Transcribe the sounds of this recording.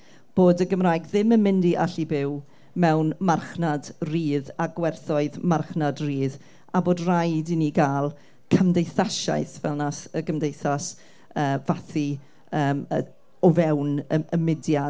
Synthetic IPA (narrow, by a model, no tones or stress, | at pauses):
b̥oːdəɡəmraːjɡðɪməmɪndiʔa̰ɬibɪw | mɛwnmarχnadriːðaɡwɛrθɔɨðmarχnadriːð | aboːdrajdiniɡaːlˠ | kʰəmdejθaʃa̰ɨθvɛ̰lˠnasəɡəmdejθas | əːvaθi | əːmə | ɔvɛwnəəmɪdja